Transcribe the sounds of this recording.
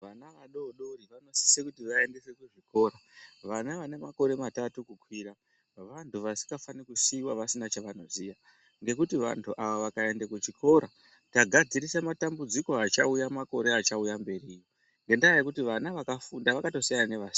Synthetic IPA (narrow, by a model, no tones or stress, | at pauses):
ʋanaʋaɗo̞ɗo̞riʋano̞si̥sekutiʋae̞ndesekuʐiko̞ːɾaʋanaʋane̞mako̞ɾe̞matatukukwiɾa | ʋantuʋasi̥ŋɡafanikusiwaʋasinat͡ʃaʋanozija | ŋɡe̞kutiʋa̰ntʰuʔaʋoʋakae̞ndekut͡ʃikʰo̞ɾa | taɡʱad͡ziɾisamatambud͡ziko̞at͡ʃaujamako̞ɾe̞at͡ʃaujambe̞riːjo | ŋɡe̞ndaajekutiʋanaʋakafundaʋakato̞sajananeʋas